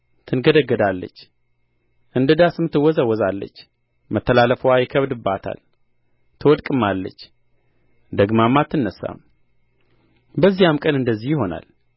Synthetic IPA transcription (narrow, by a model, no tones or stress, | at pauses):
t̪ʰɨnɡəd̪əɡəd̪alːə̰t͡ʃː | ʔɨnd̪əd̪asɨmɨt̪ːɨwːɔzəwːɔzalːə̰t͡ʃː | mət̪ːəlaləfəwajɪkʰəβd̪ɨbːat̪ʰa̰l | t̪ʰəwɔd̪kʼɨmalːə̰t͡ʃː | d̪əɡmamat̪ʰːɨnːəsːa̰m | bəzːijamkʼənɨnd̪əzːihjho̞na̰l